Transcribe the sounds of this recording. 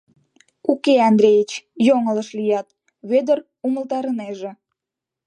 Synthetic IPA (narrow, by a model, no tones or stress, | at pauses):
ukeɑnd̪ɾʲejit͡ɕjoŋələʃlijɑt̪ | βød̪ər | uməlt̪ɑɾəneʒĕ